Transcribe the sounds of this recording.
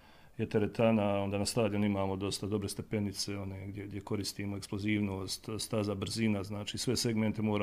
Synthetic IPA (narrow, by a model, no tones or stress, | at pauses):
jet̪eɾet̪anaond̪aːnast̪aːd̪jonimaːmo̞d̪o̞st̪ad̪o̞bɾe̞st̪e̞pe̞nit̪se̞o̞ne̞ɡd̪jeɡd̪je̞ko̞ɾist̪iːmoe̞ksploziːʋnoːst̪st̪azabr̩zinaznaːt͡ʃiːsʋe̞se̞ɡme̞nt̪e̞mo̞ːɾa